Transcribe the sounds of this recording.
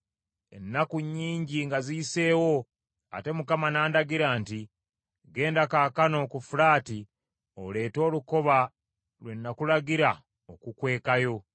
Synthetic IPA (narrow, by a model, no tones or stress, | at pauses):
e̞̰nːakuɲːiːɲɟiŋɡaziise̞ːwo̞ | a̰te̞mukamanaːndaɡiɾaːnti | ɡe̞ːndakaːkano̞ːkufulaːti | o̰le̞ːto̞ːluko̞βa | lwe̞nːakulaɡiɾa | okukwe̞ːkajo̞